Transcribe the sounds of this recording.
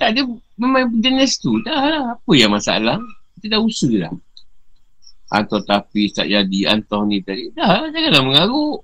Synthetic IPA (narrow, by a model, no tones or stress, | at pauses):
t̪aʔdəməmaipəd͡ʒənɛst̪udahlahapəjaŋmasa̰laŋit̪udausɨla̰ | ʔa̰nt̪ɔht̪apist̪a̰ʔd͡ʒadia̰nt̪ɔhnĩt̪adidahlad͡ʒaɡalahməŋaɣʊʔ